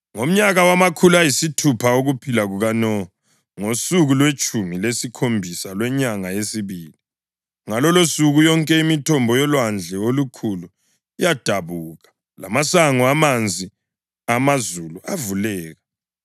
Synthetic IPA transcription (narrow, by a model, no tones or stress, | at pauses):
ŋom̩ɲaɣawamakʰulajisitʰupʰaoɣupʰilaɣuɣanɔ | ŋosuɣulwet͡ʃʼumilesikʰombʱisalwɛɲaŋaesiβiːli | ŋalɔlosuɣujɔŋkʼɛimitʰɔmbʱɔjɔlwand͡ɮʱɛolukʰulu | ijad̥ʱaβuːɣa | la̰masaŋɔamand͡zʱi | amazuluavulɛːɣa